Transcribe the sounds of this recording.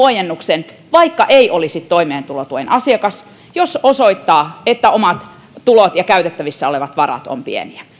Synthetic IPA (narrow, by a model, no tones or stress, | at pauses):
ojenːuksen | ʋɑikːɑʔeiʔolisit̪t̪oimeːnt̪ulot̪uinʔɑsiɑkɑs | jososoit̪ːɑːet̪ːæomɑt̪ | t̪ulot̪jɑkæyt̪et̪ːæʋisːæoleʋɑt̪ʋɑrɑ̰t̪o̰mpḭḛniæ